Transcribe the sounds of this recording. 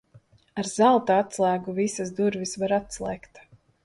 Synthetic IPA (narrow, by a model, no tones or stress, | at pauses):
aɾzalˠt̪aat̪slˠæːɡuvisasd̪uɾvʲisvaɾat̪slˠɛːkt̪